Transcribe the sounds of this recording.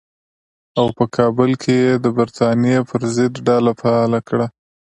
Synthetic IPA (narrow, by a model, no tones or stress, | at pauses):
awpəkʰɑbəlkʰejed̪əbaɾt̪ɑnijepʰəɾzɪd̪ɖɑlafaɑlakɽa